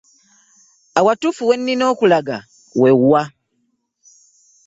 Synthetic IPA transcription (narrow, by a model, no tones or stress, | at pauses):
awatufuwe̞nːino̞ːkulaɡa | weɣwa